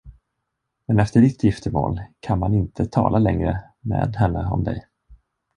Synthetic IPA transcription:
mɛnɛft̪əɖɪt̪ʰːjɪft̪əmoːlkʰanmanɪnt̪ʰət̪ʰɑ̰ːlʔalɛŋɾə | mḛːd̪ɦɛnːəɔ̰md̪ɛ̰j

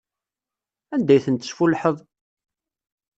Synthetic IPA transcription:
ænd̪æjθənt̪ːə̥sfulħəðˤ

